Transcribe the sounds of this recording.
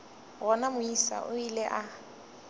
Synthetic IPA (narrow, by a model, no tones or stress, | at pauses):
ɣɔnamʊisa̰ʔʊilɛʔa